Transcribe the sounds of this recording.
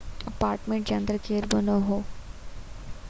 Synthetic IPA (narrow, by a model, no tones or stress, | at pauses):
ɐpaːɾʈmẽɳʈ̚d͡ʒɐ̃nd̪ɾəkeːɾbənoɦoː